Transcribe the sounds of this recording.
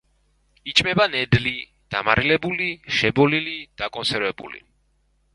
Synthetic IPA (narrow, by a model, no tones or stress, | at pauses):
it͡ʃʼmɛbanɛd̪li | d̪̥amaɾʔilɛbuliʃɛbɔlilid̪̥akʼɔnsɛɾvɛbṵlḭ